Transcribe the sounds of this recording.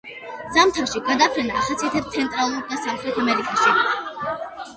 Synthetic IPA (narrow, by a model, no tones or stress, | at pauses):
z̥amt̪ʰafʃiɡad̪apʰɾɛnaːχat̪sʰiat̪ʰɛpst̪sʰɛnt̪ʼɾalˠuɾd̪asamχɾɛt̪ʰamɛɾikʼaʃi